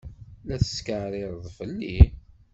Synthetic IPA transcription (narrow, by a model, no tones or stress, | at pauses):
læθə̥skəʕɾˤɪɾˤðˤfəlːi